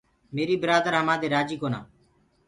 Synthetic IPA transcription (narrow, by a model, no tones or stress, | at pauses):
meːɾiːbəɾaːd̪əɾɦəmãːd̪eːɾaːd͡ʒiːkoːnã̰ː